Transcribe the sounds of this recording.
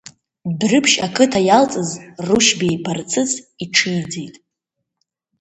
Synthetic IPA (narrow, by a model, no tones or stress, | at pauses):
brɨpʰʃakʰʼɨtʰajalt͡sʼɨzruʃbejpʰart͡sʰɨt͡sʼiʈ͡ʂʰɨjd͡zejtʼ